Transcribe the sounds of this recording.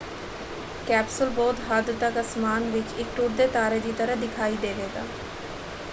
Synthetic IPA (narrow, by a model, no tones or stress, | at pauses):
kɛːpsəlbɔːt̪ɦaːd̪ət̪aːkəsmaːnʋɪt͡ʃɪk̚ʈuːʈd̪eːt̪aːɾeːd̪iːt̪əɾəɦd̪ɪkʰaːiːd̪eːʋeːɡa̰ː